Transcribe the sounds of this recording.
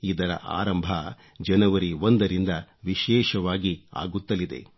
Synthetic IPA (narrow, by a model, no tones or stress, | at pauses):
id̪ɐɾɐ̰ʔa̰ːɾɐmbʱɐ | d͡ʒɐnɐʋɐɾiond̪ɐɾind̪ɐʋiʃɛːʃɐʋaːɡia̰ːɡut̪ːɐlid̪e̞̰